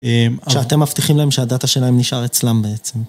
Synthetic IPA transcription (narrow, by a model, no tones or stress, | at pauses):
ʃeat̪e̞mːaft̪iχimlaemʃeadataʃe̞laemniʃʔaʁet͡slambeet͡sem